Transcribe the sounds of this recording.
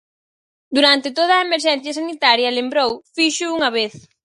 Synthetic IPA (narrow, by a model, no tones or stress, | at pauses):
d̪uɾant̪ɪt̪oð̞ɐːemeɾʃ̬ɛn̟θjɐsanit̪aɾjɐlembɾowfiʃʊuŋɐβeθ